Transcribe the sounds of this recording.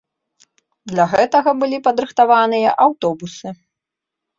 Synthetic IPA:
d̪lʲɐɣɛt̪ɐɣɐbɨlʲipɐd̪ɾɨxt̪avanɨjɐʔawt̪ɔbusɨ

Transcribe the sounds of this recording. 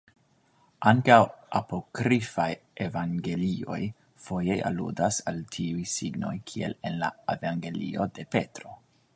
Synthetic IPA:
ʔaŋkawʔapo̞kɾifajʔe̞vaŋɡe̞lio̞̰j | fo̞je̞jʔa̰lṵdasaltʰiujsiɡno̞̰jkʰie̞̰le̞nla̰evaŋɡe̞lḭo̞de̞pe̞tɾo̞

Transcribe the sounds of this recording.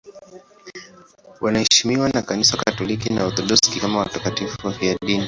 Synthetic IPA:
wanahɛʃimiwanakanisakatɔlikinaɔðɔluskikamawatakatifujaɗini

